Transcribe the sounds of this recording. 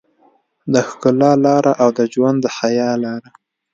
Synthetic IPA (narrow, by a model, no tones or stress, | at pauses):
d̪əxkʊlɑlɑɾaʔawd̪əd͡ʒwand̪ːəxajɑlɑɾa